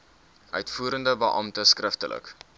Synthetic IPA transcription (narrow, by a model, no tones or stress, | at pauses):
ʔœɥtfuːəɾəndəbəʔɐmtəskrəftəlʔə̰k